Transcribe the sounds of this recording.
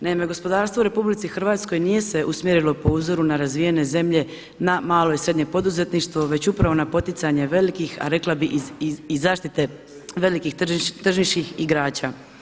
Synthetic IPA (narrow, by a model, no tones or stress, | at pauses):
naimeɡo̞spo̞d̪aːɾst̪ʋouɾe̞publit̪sixr̩ʋaːt̪sko̞jnije̞se̞ʔusmjeɾilo̞po̞uzo̞ɾunaɾazʋijene̞ze̞mʎe̞ | namaːlo̞isɾe̞d̪ɲe̞po̞d̪uze̞t̪niʃt̪ʋo̞ʋe̞t͡ɕupɾaʋo̞napo̞t̪it̪saɲe̞ʋe̞likixa̰ɾe̞klˠabiʔizaːʃt̪it̪e̞ | ʋe̞likixt̪r̩ʒiʃkixiɡɾaːt͡ɕa